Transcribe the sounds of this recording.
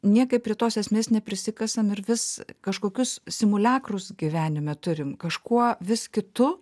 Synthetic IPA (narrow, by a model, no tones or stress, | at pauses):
nʲiɛkɐɪpʲɾʲiɛt̪oːsɛsʲmʲeːsnʲɛpʲɾʲɪsʲɪkɐsɐmɪɾʋʲɪskɐʃkoːkʲʊssʲɪmʊlʲɑːkrʊsɡʲiːʋʲæːnʲɪmʲɛt̪ʊɾʲɪmkɐʃkuɔʋʲɪskʲɪt̪ʊ